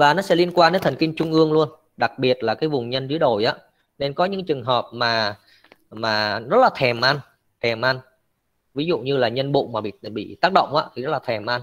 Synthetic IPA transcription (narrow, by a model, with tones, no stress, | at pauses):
vaː˨˩nɔ˨˦sɛ̰˧˥li˧ənkwaː˧nɗe˨˦nt̪ʰə˨˩ŋki˧ŋt͡ɕʊ˧ŋ͡mʔɨ˧əŋlu˧ən | ɗa˨˩k̚ɓi˨˩ət̚laː˨˩kaː˨˦jvʊ˨˩ŋ͡mɲə˧nzɨ˨˦əɗo˨˩jʔaː˨˦ | ne˧nkɔ˨˦ɲɨ̰˧˥ŋt͡ɕɨ˨˩əŋɦəː˨˩p̚maː˨˩ | maː˨˩zə˦˥t̚laː˨˩t̪ʰɛ˨˩mʔa˧n | t̪ʰɛ˨˩mʔa˧n | vi˨˦zṵ˧˨ɲɨ˧laː˨˩ɲə˧nɓṵ˧˨maː˨˩ɓḭ˧˨ɓḭ˧˨t̪aː˦˥k̚ɗə̰˧˨wŋ͡mʔaː˨˧˥t̪ʰi˨˩zə˦˥t̚laː˨˩t̪ʰɛ˨˩mʔa˧n